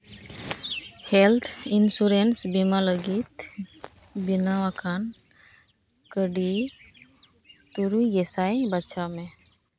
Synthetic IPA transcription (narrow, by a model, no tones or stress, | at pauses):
helt̪ʰinsuɾensbimaləɡit̪ | binaʋakʰan | kəɖi | t̪uɾujɡesajbətːʃame